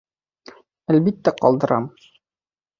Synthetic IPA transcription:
ælbit̪ːæqɒ̰lˠd̪ɤ̆ɾɑ̰m

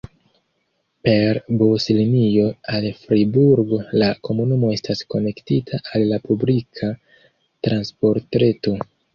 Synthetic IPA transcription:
pe̞ɾboslinijo̞alfɾibuɾɡolako̞munumo̞e̞stasko̞ne̞ktitʰaʔalːapublikʰa | tɾʔanspo̞ɾtɾe̞to̞

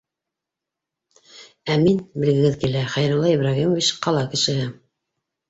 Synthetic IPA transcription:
æminbɘ̆lɡɘ̆ɡɘðkilæχæjɾulˠːɑiβrɑɣimovʲit͡ɕqɑlˠɑkɘ̆ʃɘ̆ɦɘ

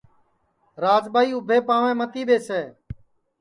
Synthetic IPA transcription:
ɾaːd͡ʒɓaːiːʊbʱeːpaːʋẽːmət̪iːɓeːseː

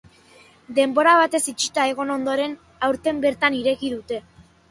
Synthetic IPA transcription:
d̪e̞mbo̞ɾaβ̞at̪e̞sit͡ʃi̥t̪ae̞ɣ̞o̞no̞nd̪o̞ɾe̞n | awɾt̪e̞mbe̞ɾt̪aniɾe̞ɣiðut̪e̞

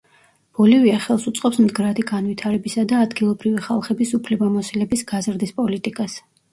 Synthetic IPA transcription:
b̥ɔliviaχɛlˠsut̪sʼqʼɔpsmd̪ɡɾad̪iɡanvit̪ʰaɾɛbisad̪aːd̪ɡilˠɔbɾiviχalˠχɛbisupʰlɛbamɔsilɛbisɡ̥azɾd̪ispʼɔlit̪ʼikʼas

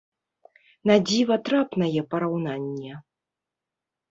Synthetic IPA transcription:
nad͡zʲivɐt̪ɾapnɐjɛpɐɾawnanʲːɛ

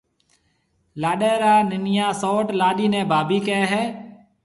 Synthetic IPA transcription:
laːɗeːɾaːnɪnɪjãːsoːʈlaːɗiːnẽːbʱaːbiːkeːɦɛː

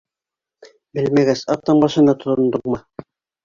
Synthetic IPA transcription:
bɘlmæɡæsɑp̚t̪ːɑɴbɑʃɤ̆nd̪ɑt̪ŏt̪ŏnd̪oqmɤ

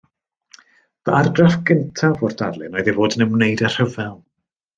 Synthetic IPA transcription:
vəarɡrafɡəntʰavɔrd̥arlˠɨnɔjðɛvoːdənəmnejdər̥həvɛlˠ

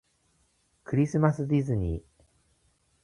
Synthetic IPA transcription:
kɯ̟ɾʲisɨmasɨd̪ʲizɨɲ̟ḭ

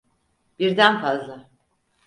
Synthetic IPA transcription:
b̥iɾd̪ænfazlˠa

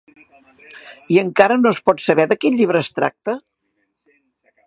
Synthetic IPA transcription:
iəŋkaɾənoəspɔt̪səβɛðəkiʎiβ̞ɾəːst̪ɾa̰k̚t̪ə

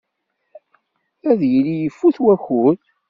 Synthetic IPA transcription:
æðjəlijəfːuθwæxuθ

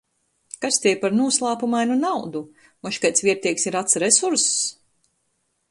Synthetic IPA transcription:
kast̪ʲɛɛpaɾnuɔslˠaːpumajnunawd̪u | mɔʃkajt̪sviɛɾt̪iɛksiɾat̪sɾɛsuɾsː

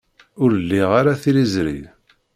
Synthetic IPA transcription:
ʊɾəlːiʁaɾaθilizɾḭð

